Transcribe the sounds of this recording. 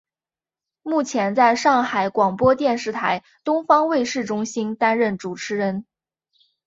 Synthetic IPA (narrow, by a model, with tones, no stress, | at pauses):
mu˥˩t͡ɕʰjɛ˧˥nt͡sa˥˧ɪʂɑ˥˩ŋxa˨˧˩ɪkwɑ˨˩ŋpwɔ˥t̪jɛ˥˧nʂɻ̩˥˩t̪ʰa˧˥ɪ | t̪ʊ˥ŋfɑ˥ŋwe˥˧ɪʂɻ̩˥˩ʈ͡ʂʊ˥ŋɕi˥nt̪a˥nɻə˥˩nʈ͡ʂu˨˩ʈ͡ʂʰɻ̩˧˥ɻə˧˥n